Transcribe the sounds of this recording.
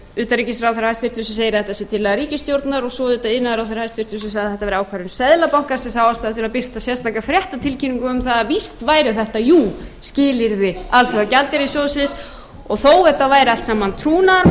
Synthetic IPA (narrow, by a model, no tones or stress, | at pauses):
ʏːt̪aɾicɪsɾawθɛɾahajst̪fɪr̥t̪ʏsʏseːjɾɪθɛht̪asɛt̪ʰɪlːɛːɣaɾiːcɪst̪jowɾt̪naɾɔɣsɔðɪt̪aɪnːaðɾawθɛjɾahajst̪fɪr̥t̪ʏs̬ʏsaðɛht̪avɛɾaːwkʰvaɾʏnsɛðlapawŋ̥kasɛmsaːwvalst̪aːðɪt̪ɪlapɪr̥t̪asjɛst̪aːkafɾjɛht̪at̪ʰɪlcʰiniŋkʏʏmθaðavist̪vaːjɾɪθɛht̪ajuscɪːlɪɾðɪalθɛɣacalt̪ɪɾisɔsɪs | ɔɣθowɛht̪ːavaːjɾɪal̥t̪sɛmːant̪ʰɾuːnaɾ